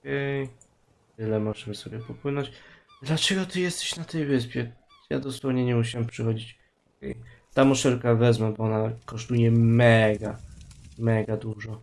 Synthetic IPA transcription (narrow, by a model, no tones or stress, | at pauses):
kɛj | t̪ɘlɛmɔʐɛmɘsɔbʲjɛpɔpwɘnɔ̃t͡ɕd̪lat͡ʂɛɡɔt̪ɨjɛst̪ɛ̥ɕnat̪ɛjvɘspʲjɛ | ja̰d̪ɔswɔvɲɛɲɛmuɕ̬awɛmpʂɘxɔd͡ʑit͡ɕ | kɛ̰j | t̪amɔʂɛlkavɛzmɛbɔɔnakɔʂt̪ujɛmɛɡamɛɡad̪uʐɔ